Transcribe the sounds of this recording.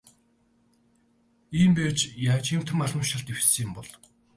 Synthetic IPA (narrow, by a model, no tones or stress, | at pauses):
iːmpæːt͡ɕjaːt͡ɕim̥t̪ʰə̆maɮə̆mʃə̆ɬt̪ewseːmpɔɮ